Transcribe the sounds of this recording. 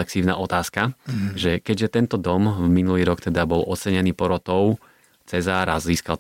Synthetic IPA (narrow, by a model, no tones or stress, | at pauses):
lɛksiːʊna̰ʔɔt̪aːskaʒɛkɛɟʒɛt̪ɛnt̪ɔd̪ɔmminuliːɾɔkt̪ɛd̪abɔlʔɔt͡sɛɲɛniːpɔɾɔt̪ɔʊ | t͡sɛzaːɾa̰zziːskal